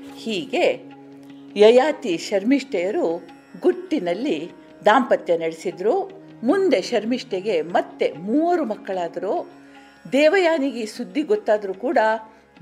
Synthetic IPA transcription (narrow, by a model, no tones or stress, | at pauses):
hiːɡe̞ | jɐjaːt̪iʃɐɾmiʂʈɛjɐɾu | ɡuʈːinɐlːi | d̪aːmpɐt̪jɐnɐɽesid̪ɾu | mund̪e̞ʃɐɾmiʂʈɛɡe̞mɐt̪ːe̞muːɐɾumɐkːɐɭaːd̪ɐɾu | d̪ɛːʋɐjaːniɡisud̪ːiɡɔt̪ːaːd̪ɐɾukuːɽɐ